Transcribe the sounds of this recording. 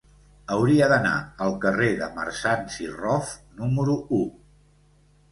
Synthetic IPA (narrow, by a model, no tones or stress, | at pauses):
əwɾiəðəna̰əlˠkəreðəmə̰ɾsansirɔfnuməɾuu